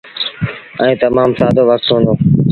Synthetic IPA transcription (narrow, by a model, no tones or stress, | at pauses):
ɛ̃ːt̪əmaːmsaːd̪oːʋək̚t̪ɦõːnd̪oː